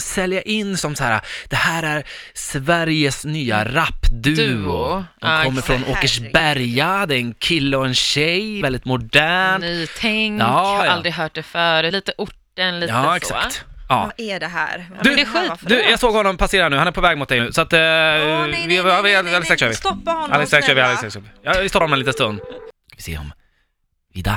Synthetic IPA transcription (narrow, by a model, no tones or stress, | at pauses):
sɛljaʔɪnːsɔmsahæːɾa̰d̪̥ɛhæːɾæɾ | svæɾjəsnyːa̰ɾapːd̪ʉ̟ʊ̰ɔmkʰɔmːəɾfɾɔnoːkəʂbæɾjad̪ɛɾɛnkʰɪlːəɔɛnɕɛjvɛld̪ɪt̪mʊɖdæːɳyːt̪ʰɛŋkɑːhaɾald̪ɾɪɦœːʈ̚d̪ɛfœːɾʉliːt̪əʔʊʈːənliːɑːɛksa̰kt̪ɑ̰ːɛɖɛɦæ̰ɾʉd̪ɛɧiːd̪ʉjɑːɡsoːɡhɔnːɔmpʰaseːɾanʉ̟ːhanæɾpʰɔvɛːɡmʊt̪̚d̪ɛjnʉ̟ːsɔat̪ | vɪvɪalːsɛːksœːvɪa̰lːɛsɛkøːvɪalːɪsɛksvɪjɑvɪst̪ɔpːanmɛnlːt̪ənst̪ɵnd̪ | avɪ̥sḛːhɔ̰m | vɪ̰d̪ɑ̰